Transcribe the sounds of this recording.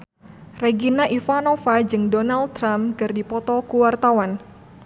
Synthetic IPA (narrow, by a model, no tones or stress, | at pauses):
reɡinaʔifanofad͡ʒɨŋdɔnald̚t̪ɾamkɨrdipɔt̪ɔkuwart̪awan